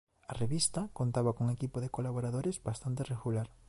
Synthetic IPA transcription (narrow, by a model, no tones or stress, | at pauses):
areβist̪akont̪aβakouŋekipoðekolaβoɾaðoɾezbast̪ant̪ereɣulaɾ